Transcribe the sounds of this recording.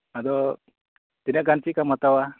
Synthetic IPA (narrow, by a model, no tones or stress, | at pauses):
ad̪ɔ | t̪inaʔkant͡ʃiʔkamat̪awa